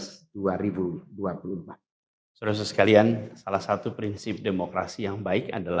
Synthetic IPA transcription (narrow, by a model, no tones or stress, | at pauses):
sd̥uaɾibuduapulumpat̪̚ | səɾus̬skaliansalahsat̪upɾinsɪp̚demokɾa̰sijaŋbaɪka̰dala